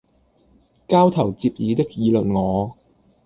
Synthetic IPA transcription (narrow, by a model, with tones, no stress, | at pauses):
kaː˥wt̪ʰɐ˨˩wt͡siː˧p̚jiː˨˧t̪ɪ˥k̚jiː˨˧lɵ˨nŋɔː˨˧